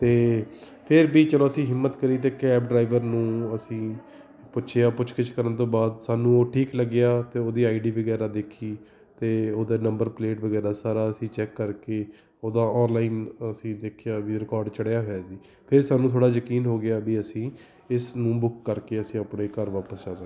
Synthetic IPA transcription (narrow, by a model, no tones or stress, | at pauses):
t̪eː | pʰɪɾbiːt͡ʃəloːəsĩːɦɪmːət̪kəɾiːt̪eːkɛːp̚ɖɾaːɪʋəɾnũːəsĩː | pʊʃʰeaːpʊt͡ʃʰkət͡ʃkəɾənt̪õːbaːd̪saːnũːoːʈʰiːkləɡːɪjaːt̪eːoːd̪iːaːiɖiːbəɡɛːɾaːd̪eːkʰiː | t̪eːoːd̪aːnəmbəɾpleːʈʋəɡɛːɾaːsaːɾaːəsĩːt͡ʃɛːkːəɾkeː | oːd̪aːɔːnlaːiːnəsĩːd̪eːkʰejaːbiːɾɪkɔːɾɖt͡ʃəɽjaːɦoːjaːsiː | pʰɪɾsaːnũːt̪ʰoːɽaːjəkiːnɦoːɡɪjaːbiːəsĩː | ɪsnũːbʊkːəɾkeːəsĩːaːpɳeːkəɾʋaːpəsd͡ʒaːd͡ʒãː